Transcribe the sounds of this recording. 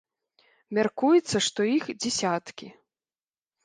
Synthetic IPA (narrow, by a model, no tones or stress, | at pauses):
mʲarkujɛt̪sːɐʂt̪ɔixd͡zʲɛsʲat̪kʲi